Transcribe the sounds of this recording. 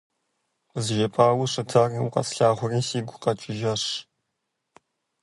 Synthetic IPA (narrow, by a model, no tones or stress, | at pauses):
zʒɐpʼaːwʊʂɨtʰaːriwʊqʼɐ̰sɬaːʁʷʊrisiːɡʷʊqɐt͡ʃʼɪʒɐʂ